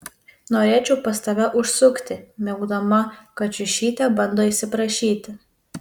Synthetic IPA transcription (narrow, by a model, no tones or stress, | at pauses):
noːɾʲeːt͡ʃʲɛʊpɐst̪ɐʋʲɛʔʊʃsʊkt̪ʲɪmʲɛʊɡd̪ɐmɐkɐt͡ʃʲʊʃʲiːt̪ʲɛbɐnd̪oːisʲɪpɾɐʃʲiːt̪ʲɪ